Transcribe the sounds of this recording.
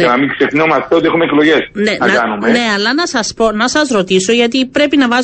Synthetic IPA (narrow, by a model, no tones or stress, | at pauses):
ɐnɐmikse̞knomɐst̪eoixumeeklo̞ʝe̞snenɐnumene̞ɐlːɐnɐsɐspo̞nɐsɐzɾo̞t̪iso̞ʝɐt̪ipɾe̞pinɐvɐz